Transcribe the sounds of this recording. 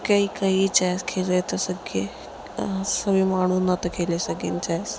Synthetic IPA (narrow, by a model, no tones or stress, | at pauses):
kaiːkaɦit͡ʃajskʰelet̪əsəɡḛ | səʋimaɽ̤unat̪əkʰelesəɡḭːnt͡ʃajs